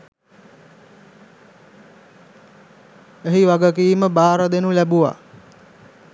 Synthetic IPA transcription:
eɦiʋaɡək̬iːməbaːɾəd̪enulæbuʋa̰

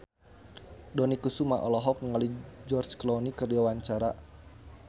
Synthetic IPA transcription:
dɔnikusuma̰ʔɔlɔɦɔk̚məŋalid͡ʒɔrt͡ʃklɔnikərdiwawaɲt͡ʃaɾa

